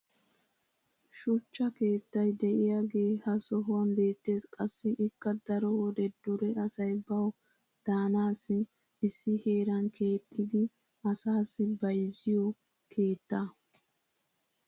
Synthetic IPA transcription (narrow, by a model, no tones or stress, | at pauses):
ʃʊt͡ʃːɐke̞ːt̪ːɐjd̪ɛʔɪjaːɡe̞ːhɐsɔɦʊwɐnbe̞ːt̪ːe̞ːskʼɐsːɪʔɪkːɐd̪ɐɾɔwɔd̪ɛd̪ʊɾɛɐsɐjbɐw | d̪̥aːnaːsːɪː | sːɪhe̞ːɾɐŋkʰe̞ːt̪ʰʼːɪd̪ɪ | ɐsaːsːɪbɐjzɪjɔ | kʰe̞ːt̪ːa